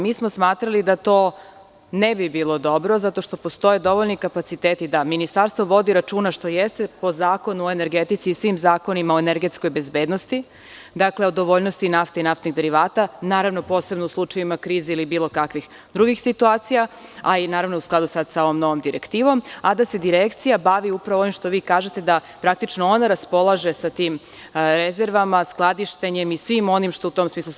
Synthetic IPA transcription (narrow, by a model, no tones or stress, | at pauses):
miːsmosmaːt̪ɾalid̪at̪o̞ː | nebibiːlˠo̞d̪o̞bɾo̞zat̪o̞ʃt̪o̞post̪o̞jed̪o̞ʋoʎnikapat̪sit̪eːt̪id̪aminist̪aɾst̪ʋo̞ʋo̞d̪iɾat͡ʃuːnaʃt̪o̞jest̪epo̞zaːko̞nuoeneɾɡet̪it̪siːsʋimzaːko̞nimaoeneɾɡet̪skojbezbeːd̪nost̪i | d̪akleod̪o̞ʋoʎnost̪inaft̪einaft̪niɣd̪e̞ɾiʋaːt̪anaːɾaʋno̞po̞ːse̞bnouslˠut͡ʃajimakɾiːzeilibiːlˠo̞kakʋix | d̪ɾuɡixsit̪uaːt̪sijaainaːɾaʋnousklˠad̪usad̪saoʋomnoʋomd̪iɾekt̪iːʋo̞mad̪ase̞d̪iɾekt̪sijabaʋiupɾaʋoʋimʃt̪o̞ʋiːkaːʒet̪e̞d̪a | pɾak̚t̪it͡ʃnoo̞naɾaspo̞lˠaʒe̞sat̪iːm | ɾeze̞ɾʋamasklˠad̪iʃt̪eɲe̞misʋimo̞nimʃt̪out̪o̞msmiːslˠu